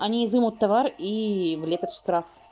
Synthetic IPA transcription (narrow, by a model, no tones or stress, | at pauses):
ɐnʲiːzɨmʊt̪ːɐvarivlʲepʲət̪ʂt̪ɾaf